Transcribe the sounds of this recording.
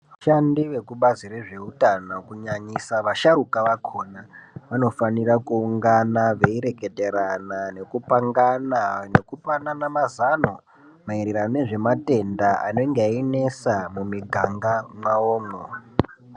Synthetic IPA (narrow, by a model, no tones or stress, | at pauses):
ʋaʃandiʋe̞kuɓaziɾeʐe̞utanokuɲaɲisaʋaʃaɾukaʋakʰo̞naʋano̞fanirakuːŋɡanaʋeiɾe̞ke̞te̞ɾanane̞kupaŋɡanane̞kupananamazano | maiɾiɾaneʐe̞mate̞ndaa̰noŋɡeaine̞samumiɡʱaŋɡamwaoːŋo